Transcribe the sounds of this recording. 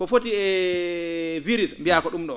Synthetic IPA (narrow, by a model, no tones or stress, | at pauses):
kɔfotiɛ | viɾismbijakɔɗumɗɔ